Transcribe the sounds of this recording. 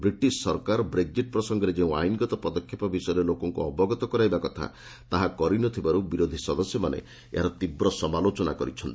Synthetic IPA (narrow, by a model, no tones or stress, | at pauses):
bɾiʈissɔɾkaɾɔbɾeɡ̚d͡ʒiʈ̚pɾɔsɔŋɡɔɾed͡ʒeũa̰jnɡɔt̪ɔpɔd̪ɔkʰːjepɔbisɔjɔɾelokɔŋkuɔbɔɡɔt̪ɔkɔɾajbakɔt̪ʰa̰ | t̪aɦakɔɾinɔt̪ʰibaɾubiɾod̪ʱisɔd̪ɔsjɔmanḛ | ḛɦaɾɔt̪ibɾɔsɔmalot͡ʃɔna̰kɔɾit͡ʃʰɔnt̪i